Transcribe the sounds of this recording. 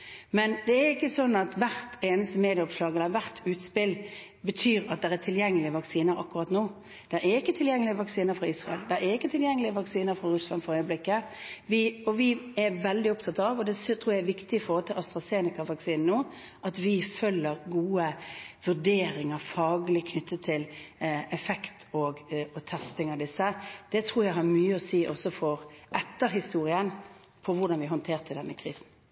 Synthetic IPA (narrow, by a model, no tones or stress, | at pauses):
mɛnd̪ɛæɾɪkːəsɔnːɑt̪ʋæɾt̪ʰeːnəst̪əmeːd̪ɪɔpʂlɑːɡɛləʋæɾt̪ʰʉːt̪spɪl | bət̪ʰyːɾɑt̪̚d̪ɛʁæt̪ʰɪljɛŋːəlɪəʋɑksiːnəɾɑ̰kːʉʁɑt̪noː | d̪̥ɛɾɛɾɪkːət̪ʰɪljɛŋːəlɪəʋɑksiːnəɾfɾʁɑɪsʁɑɛld̪ɛɾɛɾɪkːət̪ʰɪljɛŋːəlɪəʋɑksiːnəɾfɾɑɾʉslɑnfɔɾœʏəblɪkːəʋɪɔʋɪɛɾʋɛld̪ɪʊpt̪ʰɑt̪ːɑʋɔd̪ɛst̪ʰɾuːjæɛʋɪkt̪ɪɔfɔːɔt̪ʰɪlʔɑst̪ɾʁɑseːnɪkɑʋɑksiːnn̩oː | ʔɑt̪ʋɪfœlːəɾɡuːəʋʉɖeːɾɪŋəɾfɑːɡəlɪkʰnʏt̪ːət̪ʰːɪlɛfɛkt̪ʰɔɡɔt̪ʰɛst̪ɪŋɑʋd̪ɪsːəd̪̥ɛt̪ʰɾuːɾjæɪɦɑɾmyːəɔsiːʔɔsːɔfɔɾʔɛt̪ːəɾɦɪst̪uːɾɪən | pʰɔʋʊɾd̪ɑnʋɪɦɔnt̪ʰeːʁt̪ʰɪld̪ɛnːəkʰɾiːsn̩